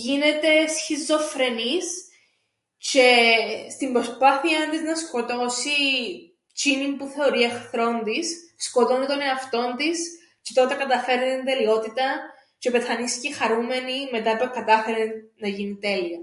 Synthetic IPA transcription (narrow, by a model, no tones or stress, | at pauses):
ʝine̞t̪e̞sçizːo̞fɾe̞nis | ce̞st̪imbɾo̞spɐθiɐnd̪iznɐsko̞t̪o̞si | t͡ʃinimpuθe̞o̞ɾiexθɾo̞nd̪isːko̞t̪o̞nit̪o̞neɐft̪o̞nd̪is | cet̪o̞t̪e̞kɐt̪ɐfe̞ɾniind̪e̞lio̞t̪it̪ɐ | ce̞pe̞θɐniscixɐɾume̞nime̞t̪ɐpekɐt̪ɐfe̞ɾenːɐʝinit̪e̞liɐ